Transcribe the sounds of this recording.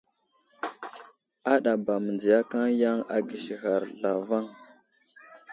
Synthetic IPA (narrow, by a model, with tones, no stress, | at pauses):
a˦ɗa˨ba˨mə˨nd͡ʒi˨ja˦ka˦ŋja˦ŋa˨ɡi˨ʃi˨ɣa˨ɾɮa˨va˦ŋ